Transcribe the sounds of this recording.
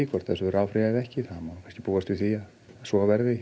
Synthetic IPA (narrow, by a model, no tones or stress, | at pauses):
ikʰvɔɾt̪θɛsʏɛɾaːwfɾɪaɛðɛhcɪθaːmakʰajnscɪ̥puːast̪vɪθiːa | sɔavɛɾðɪ